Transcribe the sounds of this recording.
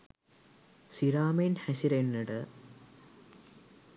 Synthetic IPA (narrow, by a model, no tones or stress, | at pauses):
siɾaːmenhɐɕiɾenːiɽɨ